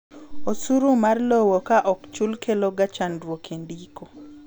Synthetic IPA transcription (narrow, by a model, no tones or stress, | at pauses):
osuɾumarlowokaʔɔkt͡ʃulkʰeloɡat͡ʃanɾwokendiko